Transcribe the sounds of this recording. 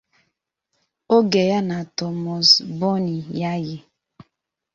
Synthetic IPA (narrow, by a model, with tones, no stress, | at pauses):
o˦ɡe˨ja˦na˨tɔ˨mɔ˨sbɔ˦ni˨ja˦ɣɪ˨